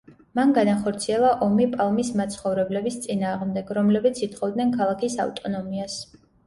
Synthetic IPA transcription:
manɡanaχɔɾt̪sʰiɛlˠaʔɔmipʼalˠmismat̪sʰχɔvɾɛblɛbist̪sʼinaːʁmd̪ɛɡɾɔmlɛbit̪sʰit̪χɔvd̪nɛnkʰalˠakʰisa̰ft̪ʼɔnɔmias

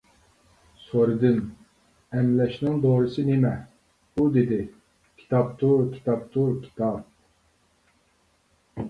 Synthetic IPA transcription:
soɾɨd̪ɨn | ɛmlɛʃnɪŋd̪oːɾɨsɨnemɛ | bud̪ed̪ɪ | kʲʰi̥t̪ʰɑp̚t̪ʰukʲʰi̥t̪ʰɑp̚t̪ʰuɾkʲʰi̥t̪ʰɑp̚

